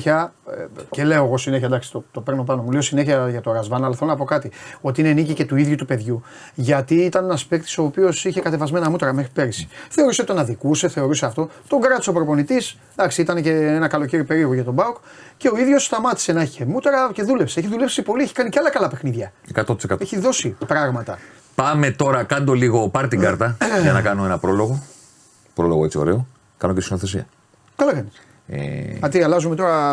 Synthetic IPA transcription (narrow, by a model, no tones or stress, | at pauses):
çɐ | ce̞le̞o̞eɣo̞sine̞çɐd̪ɐksi̥t̪ot̪o̞peɾno̞pɐno̞mule̞osineçiɐʝɐt̪o̞ɾɐzvɐnɐlɐθelonɐpokɐt̪io̞t̪iinenicice̞t̪uiðʝut̪upe̞ðʝu | ʝɐt̪iit̪ɐnenɐspekt̪i̥so̞ːpio̞siçekɐt̪e̞vɐzme̞nɐmut̪ɐɾɐmexɾipe̞ɾisi̥θe̞o̞ɾuset̪onɐðikuse̞θe̞o̞ɾuseɐft̪o̞t̪o̞ɡɾɐt̪o̥sɐpɾopo̞nit̪is | d̪ɐksiit̪ɐnece̞enɐkɐlo̞ceɾipe̞ɾio̞ɣoʝɐt̪obɐokce̞o̞iðʝo̞sst̪ɐmɐt̪i̥se̞nɐçiçemut̪oɾɐce̞ðulepsie̞çiðulepsipo̞lieçi̥kɐniceɐlɐkɐlɐpe̞xniðʝɐekɐt̪ot̪i̥sekɐeçiðo̞sipɾɐɣmɐt̪ɐ | pɐme̞t̪o̞ɾɐkɐnd̪o̞liɣo̞pɐɾt̪iɡɐɾt̪ɐʝɐnɐkɐnoe̞nɐpɾo̞lo̞ɣo̞ | pɾo̞lo̞ɣet͡sioɾe̞o̞ | kɐnocesino̞θe̞s̬iɐ̰ | kɐlɐkɐnis | ḛɐt̪iɐlɐzumet̪o̞ɾɐ